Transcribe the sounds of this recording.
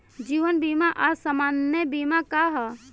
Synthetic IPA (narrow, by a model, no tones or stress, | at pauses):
d͡ʒiːʋənbimaʔaɾsamaːnəbimakaɦɔ